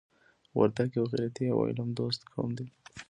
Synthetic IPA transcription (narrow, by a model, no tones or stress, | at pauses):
wa̰ɾd̪aɡjawɣiɾat̪iawɑ̰ɪ̰lamd̪ost̪kʰɑ̰md̪i